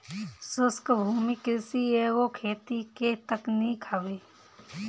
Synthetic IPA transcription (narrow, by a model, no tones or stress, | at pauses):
sʊskbʱuːmikɪsieːɡokʰeːt̪iket̪əknikʰaːwe